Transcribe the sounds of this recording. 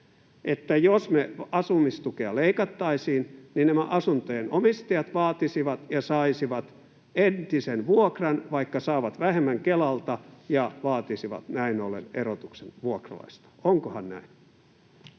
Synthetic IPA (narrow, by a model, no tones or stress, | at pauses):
ʔet̪ːæjosmeɑsumist̪ukeɑleikɑt̪ːɑisiːnninæmæʔɑsunt̪ojenomist̪ɑjɑt̪ʋɑːt̪isiʋɑt̪jɑsɑisiʋɑt̪ | ent̪isenʋuokrɑnʋɑikːɑsɑːʋɑt̪ʋæhemːæŋkelɑlt̪ɑjɑʋɑːt̪isiʋɑ̰t̪næinolːḛnerot̪uksenʋuokrɑ̰lɑ̰ist̪ɑ̥oŋkohɑnnæ̰in